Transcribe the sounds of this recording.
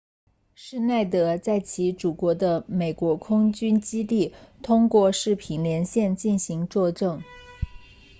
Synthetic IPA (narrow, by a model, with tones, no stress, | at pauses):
ʂɻ̩˥˧na˥˩ɪt̪ɤ˧˥t͡sa˥˩ɪt͡ɕʰi˧˥ʈ͡ʂu˨˩kwɔ˧˥d̪ə˧me˨˩ɪkwɔ˧˥kʰʊ˥ŋt͡ɕy˥nt͡ɕi˥t̪i˥˩t̪ʰʊ˥ŋkwɔ˥˧ʂɻ̩˥˩pʰi˨˩nljɛ˧˥nɕjɛ˥˧nt͡ɕi˥˩nɕi˧˥ŋt͡swɔ˥˧ʈ͡ʂɤ˥˩ŋ